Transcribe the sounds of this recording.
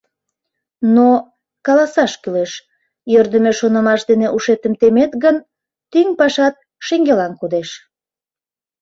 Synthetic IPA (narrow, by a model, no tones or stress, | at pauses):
no | kɑlɑsɑʃkyleʃ | jørd̪əmeʃonəmɑʃd̪eneʔuʃet̪əmt̪emet̪ɡən | t̪yŋpɑʃɑt̪̚ | ʃeŋɡelɑnkud̪eʃ